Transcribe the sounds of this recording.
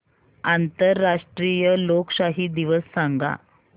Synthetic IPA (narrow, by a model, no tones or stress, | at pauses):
ant̪əɾːaʂʈɾijəloksaɦiːd̪iʋəsːaŋɡa̰